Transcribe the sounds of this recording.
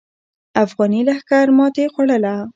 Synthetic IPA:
afɣɑnilahkaɾmɑt̪exwaɽəla

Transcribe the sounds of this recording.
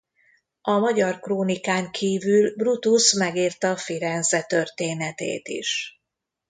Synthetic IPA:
ɒmɒɟɒrkroːnikaːŋkʰiːvylbrut̪usmɛɡiːrt̪ɒfiɾɛnzɛt̪ø̞rt̪eːnɛt̪ḛːt̪ḭʃ

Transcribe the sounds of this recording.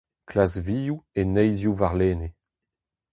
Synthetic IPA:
klasviːjuenɛjzjuvaʁleːne

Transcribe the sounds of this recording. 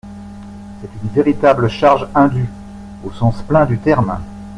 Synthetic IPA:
sɛt̪ynveʁit̪abləʃaʁʒɛ̃d̪y | osɑ̃splɛ̃d̪yt̪ɛʁm

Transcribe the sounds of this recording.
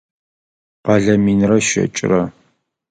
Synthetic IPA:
qɑɮɐmiːnrɐʃɐ̰t͡ʃʼɪ̰rɐ

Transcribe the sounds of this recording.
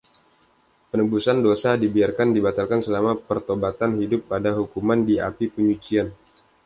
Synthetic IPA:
pənəbusandosadibiarkandibat̪alkansəlamapərt̪obat̪anhidʊpːadaɦukumandia̰pipəɲut͡ʃian

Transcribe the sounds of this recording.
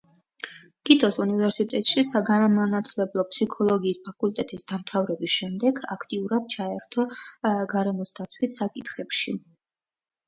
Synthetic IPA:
ɡ̥it̪ʰʼɔsunivɛɾsit̪ʼɛt̪ʼʃisaɡanamanat̪ʰlɛblˠɔpʰʼsikʰɔlˠɔɡiːspʰakʼult̪ʼɛt̪ʼisd̪̥amt̪ʰavɾɛbisʃɛmd̪ɛɡakʰt̪ʼiuɾad̪̥̚t͡ʃʰaɛɾt̪ʰɔɡaɾɛmɔsd̪at̪sʰwit̪ʰsakʼit̪χɛpʃi

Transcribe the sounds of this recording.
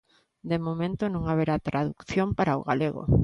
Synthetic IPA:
d̪emomẽnt̪ʊnõŋaβeɾat̪ɾaðukθjompaɾaoɣa̰leɣo̰

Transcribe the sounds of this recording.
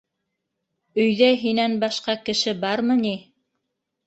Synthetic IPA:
ɵ̆jðæɦinænbɑʃqɑkɘ̆ʃɘbɑɾmɤni

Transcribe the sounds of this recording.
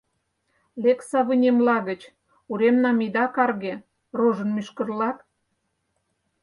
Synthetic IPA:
leksɑβənʲemlɑɣə̆t͡ɕ | uɾemnɑmid̪ɑkɑrɣe | roʒə̆nmyʃkə̆rlɑk

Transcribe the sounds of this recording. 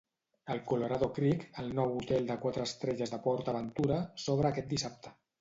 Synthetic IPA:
əlˠkuloɾaðokɾikəlˠnɔwut̪ɛlˠd̪əkwat̪ɾəːst̪ɾɛʒəzðəpɔɾt̪əβənt̪uɾəsoβ̞ɾəːkɛt̪̚d̪isap̚t̪ə̥

